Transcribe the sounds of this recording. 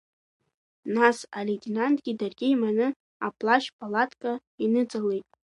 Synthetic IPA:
nasaletʲʼinantʼɡʲidarɡʲiimanɨ | a̰pʰʼlaʃpʼalatʰʼkʼa | inɨt͡sʼalejtʼ

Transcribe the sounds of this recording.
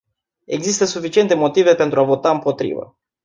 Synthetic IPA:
e̞̰ɡzist̪əsufit͡ʃiet̪e̞mo̞t̪ive̞pe̞nt̪ɾuavo̞t̪aɨmpo̞t̪ɾḭvə̰

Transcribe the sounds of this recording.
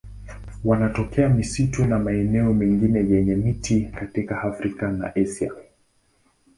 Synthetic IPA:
wanatɔkɛamisitunamaɛnɛɔmɛŋɡinɛjɛɲɛmitikatikaafɾikana̰ʔɛsia̰

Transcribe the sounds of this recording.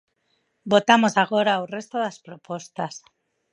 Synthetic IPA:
bo̞t̪amo̞saɣ̞o̞ɾaure̞st̪oðaspɾopo̞st̪as

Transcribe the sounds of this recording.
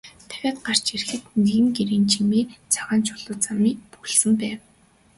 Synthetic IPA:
t̪ʰæ̥ɣʲæːt̪ɢar̥t͡ɕerxɘ̆t̪neɣɘ̆ŋɡeɾiːnt͡ɕʰimiːt͡sʰaʁaːnt͡ɕʰʊɮʊːt͡samiːpuɣ̆ɮsɘ̆mpæːw

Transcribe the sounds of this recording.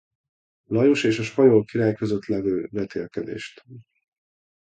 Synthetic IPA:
lɒjoʃeːʃɒʃpɒjolkiɾaːjkøzøt̪lɛvøːbɛt̪ʰḛːlkɛd̪ḛːʃt̪

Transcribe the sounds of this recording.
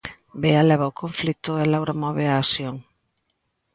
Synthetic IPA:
bealɛβaʊkʰoɱflit̪ʊɛlawɾamɔβeaːsjoŋ

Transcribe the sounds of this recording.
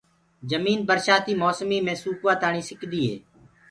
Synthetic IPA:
d͡ʒəmiːnbəɾʃaːt̪iːmoːsmiːmẽːsuːkʋaːt̪aːɳiːsɪkd̪iːɦḛː

